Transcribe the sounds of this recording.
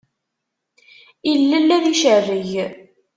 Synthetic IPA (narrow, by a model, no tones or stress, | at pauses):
ilːəlːæðiʃərːəʝ